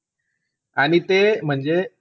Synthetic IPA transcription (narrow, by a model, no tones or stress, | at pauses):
aɽ̃it̪em̤əɳd͡ze